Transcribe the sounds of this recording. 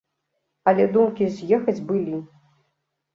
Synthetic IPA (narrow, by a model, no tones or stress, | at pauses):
ɐlʲɛd̪umkʲizʲjɛxɐd͡zʲbɨlʲi